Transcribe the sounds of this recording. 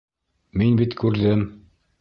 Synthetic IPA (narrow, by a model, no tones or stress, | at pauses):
minbit̪kʉɾðɘm